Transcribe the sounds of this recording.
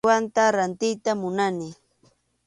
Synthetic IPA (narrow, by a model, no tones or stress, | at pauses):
want̪aɾant̪ɪjt̪amʊnanɪ